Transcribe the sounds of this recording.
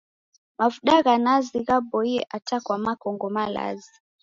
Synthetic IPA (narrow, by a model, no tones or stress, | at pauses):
mafuɗaɣanaziɣabɔiɛʔatakwamakɔŋɡɔmala̰zi